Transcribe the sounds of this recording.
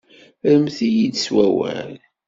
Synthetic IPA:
ɾəmθijid̪swæwæ̰l

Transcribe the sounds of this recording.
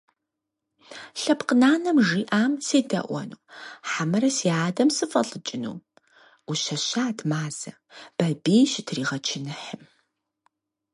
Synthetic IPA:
ɬɐpqənaːnɐmʒiːʔaːmseːdɐ̰ʔʷɔ̰nuːħamɐɾɐsiːaːdɐmsɨfʼɐ̰ɬʼɨt͡ʃʼɪnṵː | uɕɐɕaːdʰmaːz̥ɐ | b̥ɐbiːjɕɪtʰriːʁɐt͡ʃʰɪnɨħəm

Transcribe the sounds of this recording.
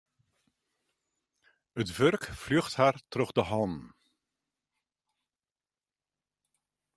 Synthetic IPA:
ətʋørkflyχthaːrtrøχdəɦɔn

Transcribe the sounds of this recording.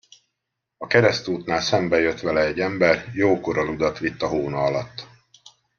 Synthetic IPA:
ɒkɛɾɛst̪uːt̪naːlsɛmbɛjøt̪ʋɛlɛɛɟːɛmbɛrjoːkoɾɒlud̪ɒt̪ʋit̪ːɒɦoːnɒɒlɒt̪ː

